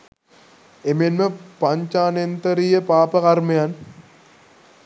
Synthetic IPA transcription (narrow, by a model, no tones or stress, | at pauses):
emenməpaɲt͡ʃaːnent̪əɾijəpaːpəkarmɐjan